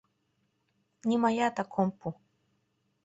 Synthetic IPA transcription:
ɲimaʎat̪akʰompʊ

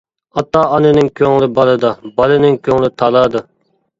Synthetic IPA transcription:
ɑt̪ːɑːɑnɨnɪŋkʲʰøŋlˠɪbɑlˠɨd̪ɑbɑlˠɨnɪŋkʲʰøŋlˠɪt̪ʰɑlˠɑd̪ɨ

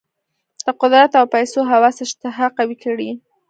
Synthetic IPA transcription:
d̪̥əqʊd̪ɾat̪awpajsoɦawɑsɪʃt̪ɪɦɑqawikəɽi

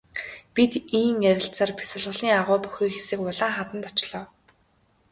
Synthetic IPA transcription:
pit̪iːmjæɾʲɪ̆ɬt͡saːrpʰi̥sə̆ɮʁə̆ɮiːŋaʁʊːpuxiːxesɘ̆kʊɮaːχat̪ə̆nt̪ɔt͡ɕɮɔː

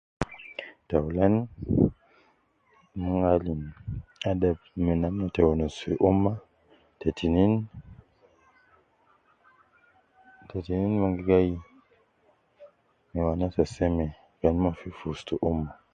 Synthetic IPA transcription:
tawlen | maŋɡalinadabminamnotewonosiʔumːa | tetinin | tetininmaŋɡiɡaji | miwanatasɛmɛ | ɡanmafifustuʔumːa

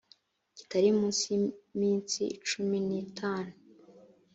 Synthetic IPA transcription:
ci̥taɾimũːnsimiːnsiːt͡ʃuminitʰaːnu

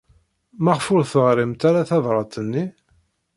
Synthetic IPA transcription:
mæʁfʊɾθəʁɾimt̪aɾaθɑðˤɾˤɑt̪ənːi

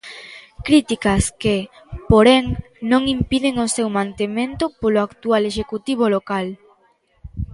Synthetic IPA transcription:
kɾit̪ikɐske | poɾeŋ | nõŋimpiðɪŋosewmãnt̪emẽnt̪ʊpoloakt̪ualeʃekut̪iβ̞olokal

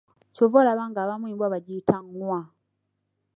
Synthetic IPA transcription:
covolaβaŋɡaːβamwiːmbwaβaɟitʰaŋwa

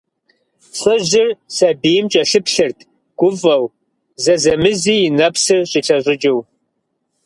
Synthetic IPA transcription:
ɕɐʑɪrsɐbiːjmt͡ʃʼɐɬɨpʰɬɨrtʰ | ɡ̥ʷʊvɐw | zɐzɐmɨziːjɪnɐpsɨrɕʼiɬʰɐʑʷʼɪd͡ʒɪw

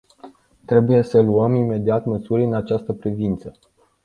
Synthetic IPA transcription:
t̪ɾe̞buje̞səluəmime̞d̪iat̪məsuɾʲɨnat͡ʃast̪əpɾivint̪sə

